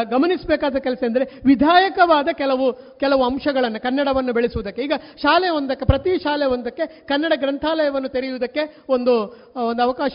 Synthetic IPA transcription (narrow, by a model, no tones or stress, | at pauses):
ɡɐmɐnisbɛːkaːd̪ɐkɛlɐsɐɐnd̪ɐɾeʋid̪ʱaːjɐkɐʋaːd̪ɐkɛlɐʋu | kɛlɐʋuɐmʂɐɡɐɭɐnːukɐnːɐɽɐʋɐnːubeɭisuʋud̪ɐkːe̞iːɡɐʃaːlɛjɐond̪ɐkːe̞pɾɐt̪iʃaːlɛjɐond̪ɐkːe̞kɐnːɐɽɐɡɾɐnt̪ʰaːlɐjɐʋɐnːut̪eɾijuʋːd̪ɐkːe̞o̞nd̪u | ond̪uɐʋɐkaːʃɐ